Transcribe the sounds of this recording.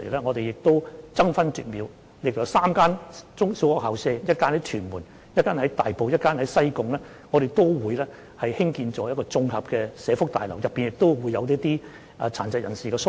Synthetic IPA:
ḛ˨˩jlɛː˥ŋɔː˨˧t̪e˨jɪ˨k̚t̪o˥wt͡sɐ˥ŋfɐ˥nty̰ː˨˩t̚miː˨˧w | lɪ˨˩k̚jɐ˨˧wsaː˥mkaː˥nt͡sʊ˥ŋsi˨˥wɔː˨khɐ˨wsɛː˧jɐ˥t̚kaː˥nhɐ˨˥jt̪ʰyː˨˩nmuː˨˩n | jɐ˥t̚kːaː˥nhɐ˨˥jt̪a̰ː˨jpo˨wjɐ˥t̚kaː˥nhɐ˨˥jsɐ˥jkʊ˨ŋlɛː˥ | ŋɔː˨˧ɾe˨jt̪o˥wwuː˨˧jlɛː˥ | hɐ˨jhɪ˥ŋkiː˧nt͡ʃɔː˨˧jɐ˥t̚kɔː˧t͡sʊ˧ŋhɐ˨p̚kɛː˧sɛː˨˧fʊ˥k̚t̪a̰ː˨jlɐ̰˨˩wjɐ˨pːiː˨˩njɪ˨k̚t̪o˥wwuː˨˧jːɐ˨˧wliː˥t̪iː˥ | ʔt͡sʰaː˨˩nt͡sɐ˨t̚jɐ˨˩nsiː˨kɛː˧sʊ˥

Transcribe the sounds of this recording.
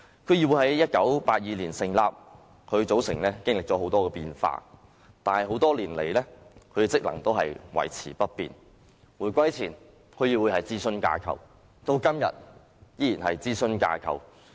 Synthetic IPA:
kʰɵ˨˧jiː˨˧wuː˨˧hɦɐ˨˥jːɐ˥t̚kɐ˨˥wpaː˧t̚jiː˨liː˨˩nsɪ˨˩ŋla̰ː˨˧p̚ | kʰɵ˨˧ɥt͡so˨˥wsɪ˨˩ŋlɛː˥kɪ˥ŋ̚lɪ˨k̚t͡sɔ˨˥o˨˥wt̪ɔː˥kɛ˧piː˧nfa̰ː˧ | t̪aː˨nhɐ˨jɦo˨˥wt̪ɔː˥liː˨˩nlḛ˨˩jlɛː˥kʰɵ˨˧ɥt͡sɪ˥k̚lɐ̰˨˩ŋt̪o˥wɦɐ̰˨jwɐ̰˨˩jt͡sʰḭː˨˩pɐ˥t̚pḭː˨n | wuː˨˩jkʷɐ˥jt͡sʰiː˨˩n | kʰɵ˨˧ɥji˨˧wuː˨˧jhɐ˨jt͡siː˥sɵ˥nka̰ː˧kʰɐ̰˨˩w | t̪o˧wkɐ˥mjɐ̰˨t̚ | jiː˥ji˨˩nɦɐ˨jt͡siː˥sɵ˥nka̰ː˧kʰɐ̰˨˩w

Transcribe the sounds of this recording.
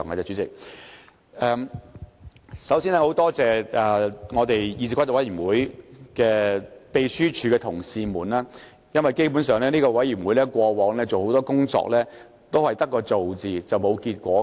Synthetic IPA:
ŋɐ˨t͡sɛː˧˩t͡ʃy˨˧˥t͡sɪ˨k̚ | ɛː˨ | sɐ˨˥wsiː˥nɛː˥ho˨˥wt̪ɔː˥t͡sɛː˨ʔɛː˨˩ŋɔː˨˧t̪e˨jji˧si˧kʷwt̪ːwɐ˨˥ji˨˩wuː˨˥jkɛː˧pe˨˧jsyː˥t͡ʃʰyː˨˧kɛː˧t̪ʰʊ˨˩ŋsiː˧muː˨˩nlaː˥ | jɐ˥nwɐ˨˩jke˥jpu˨˥nsœː˨˧ŋlɛː˥niː˥kɔː˧wɐ˨˥jiː˨˩nwuː˨˥jlɛː˥kʷɔː˧wɔː˨˥ŋlɛː˥t͡so˨who˨˧˥wt̪ɔː˥kʊ˥ŋt͡sɔ̰ː˧k̚lɛː˥ | t̪o˥whɐ˨jt̪ɐ˥kːɔː˧t͡so˨wt͡siː˨t͡sɐ˨wmo˨˧wkiː˧t̚kʷɔː˨˥

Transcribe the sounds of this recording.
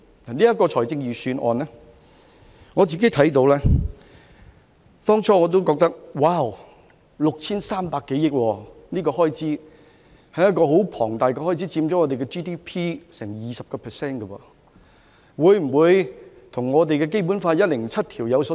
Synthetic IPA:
niː˥jɐ˥tkɔː˧t͡ʃʰɔː˨˩jt͡sɪ˧ŋjiː˨˩syː˨˧nʔɔ̰ː˨˧nlɛ˥ | ŋɔː˨˧t͡siː˨ke˨˥t̪ʰɐ˨˥jt̪o˧wlɛː˥ | t̪ɔː˥ŋt͡sʰɔː˥ŋɔ˨˧t̪o˥wkɔː˧k̚t̪ɐ˥k̚waː˧˥˩w | lʊ˨k̚t͡sʰiː˥nsaː˥mpaː˧kːe˨˥jɪ˥k̚wɔː˧niː˥kɔː˧ɦɔː˥jt͡siː˨˥ | hɐ˨jɐ˥t̚kɔː˧ho˨˥wpʰɔː˨˩ŋt̪aː˨jkɛ˧hɔː˥jt͡si˨˥t͡siː˧mt͡ɕɔː˨˥ŋɔ˨˧t̪e˨jkɛ˧t͡ʃiː˥t̪iː˥pʰiː˥sɛː˨˩ŋjiː˨sɐ˨p̚kɔː˧pʰɛː˨˩sɛː˥nkɐ˧wɔ̰ː˧ | wuː˨˧jm̩˨˩wuː˨˧j | t̪ʰʊ˨˩ŋŋɔː˨˧t̪̬e˨jkɛː˧k̬e˥jp̬uː˨˥nfaː˧tjɐ˥t̚lɪ˨˩ŋt͡sʰɐ˥t̚t̪ʰiː˨˩wjɐ˨˧wsɔ˨˧˥

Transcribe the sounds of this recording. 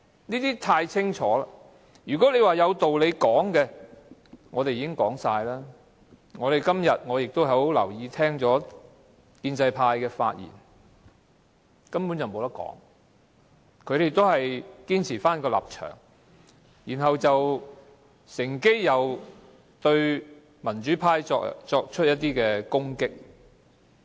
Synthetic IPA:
niː˥t̪iː˥t̪ʰaː˧jt͡sʰɪ˥ŋt͡ʃʰɔː˨˥laː˧˥ | jyː˨˩kɔː˨˥le˨˧jwaː˨jɐ˨˧wt̪o˨wle˨˧jkɔː˨˥ŋkɛ˧ | ŋɔː˨˧t̪e˨jiː˧˥kɪ˥ŋkɔː˨˥ŋsaː˧jlaː˥ | ŋɔː˨˧ɾe˨jkɐ˥mjɐ˨t̚ŋɔː˨˧jɪ˨k̚t̪o˥wɦɐ˨˥o˥˨˥wlɐ̰˨˩wjiː˨˧t̪ʰɛː˥ŋt͡sɔː˨˥ | kiː˧nt͡sɐ˧jpʰaː˧jkɛː˧fa̰ː˧t̚jḭː˨˩n | kɐ˥mpuː˨˥nt͡sɐ˨wmo˨˧wt̪ɐ˥kɔ̰ː˨˥ŋ | kʰɵ˧ɥɾe˨jt̪o˥whɐ˨jkiː˥nt͡sʰiː˨˩faː˥nkɔː˧la̰ː˨p̚t͡ʃʰœ̰ː˨˩ŋ | jiː˨˩nɦɐ˨wt͡sɐ˨w | sɪ˨˩ŋke˥jjɐ˨˧w | t̪ɵ˧ɥ | mɐ˨˩nt͡ʃyː˨˥pʰaː˧jɔː˧t͡sɔː˧k̚t͡ʃʰɵ˥t̚jɐ˥t̪̚ːiː˥kɛː˧kʊ˥ŋkɪ˥k̚

